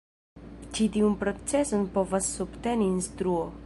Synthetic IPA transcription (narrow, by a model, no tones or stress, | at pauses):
t͡ʃit̪iunpɾo̞t͡sesonpo̞vasːubt̪eniːnst̪ɾuo